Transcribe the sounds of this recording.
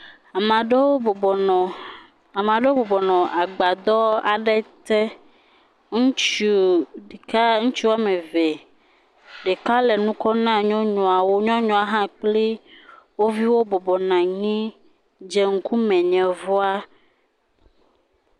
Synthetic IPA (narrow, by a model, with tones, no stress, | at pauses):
a˨ɖ | a˨mã˨ɖe˦wo˦bɔ˨bɔ˨nɔ̃˨ʔa˨ɡ͡ba˨d̪ɔ˦a˨ɖɛ˦t̪ɛ˦ | ŋũ˦t͡ʃu˦ɖe˨ka˦ŋũ˦t͡ʃi˦wa˦mẽ˨ve˨ | ɖe˨ka˦le˨nũ˦kɔ˦nã˦ɲɔ̃˦ɲɔ̃˨a˨wo˦ɲɔ̃˦ɲɔ̃˨a˦ɦã˦k͡ple˦wo˦vi˦wo˦bɔ˨bɔ˨nã˨ɲĩ˦ | d͡ʒe˦ŋ̩˦ku˦mɛ̃˨ɲɛ̃˨vɔ˦a˦